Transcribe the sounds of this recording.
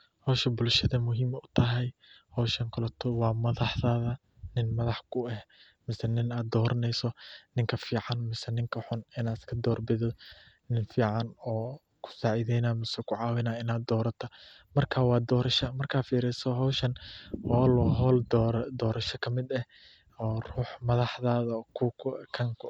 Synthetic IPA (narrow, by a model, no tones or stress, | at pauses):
hɔːʃɐbʊlʃɐðɐmʊɦiːmʊt̪ʰɐɦɛjhɔːʃɐŋkʰʊlɐt̪ʰɔwɑːmɐðɑħðaːðɐ | nɪnmɐðɑħkʰʊɛh | mɪsɛnɪnaːd̪ɔːɾɐnɛjsɔnɪŋkʰɐfiːʕɑnmɪsɛnɪŋkʰɐħʊnɪnaːɪskʰɐd̪ɔːrbɪðɔ | nɪnfiːʕɑnɔː | kʰʊ̥saːʕiːðɛjnaːmɪsɛkʰʊʕɑːwɪnaːɪnaːd̪ɔːɾɐt̪ʰɔ | mɐrkʰaːwɑːd̪ɔːɾɐʃɐmɐrkʰaːfiːɾɛsɔɦɔːʃɐnhɔːlɔːɦɔːld̪ɾd̪ɔːɾɐʃɐkʰɐmɪd̪ɐh | ɔːruːħmɐðɑħðaːðɐkʰʊkʰʊkʰɐŋkʰʊ